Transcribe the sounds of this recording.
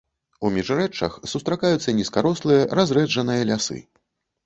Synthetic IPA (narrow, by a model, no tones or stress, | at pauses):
umʲiʐɾɛt͡ʂːɐ̰xsust̪ɾakajut̪sːɐnʲiskaɾɔslˠɨjɐɾazɾɛd͡ʐɐnɨjɐlʲasɨ̰